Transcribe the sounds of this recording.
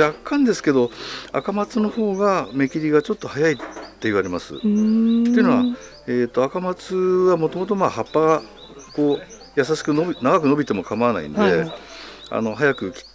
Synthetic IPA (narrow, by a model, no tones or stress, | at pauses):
akʰːãnd̪e̞sɨ̥ke̞d̪o̞a̰kamat͡sɨno̞ho̞ːɡame̞kʲiɾʲiɡat͡ɕo̞t̪ːo̞hajait̪ːe̞iβ̞aɾe̞masɨ̰e̞iɯnoa | eːt̪ːo̞akamat͡sɨβamo̞t̪o̞mo̞t̪o̞maːhapːaɡa | ko̞ː | jas̬aɕi̥kɯ̟nonaɡakɯ̟no̞bʲit̪e̞mo̞kamaana̰ḭ̃nd̪e̞ | a̰no̞ɦajakɯ̟kʲi̥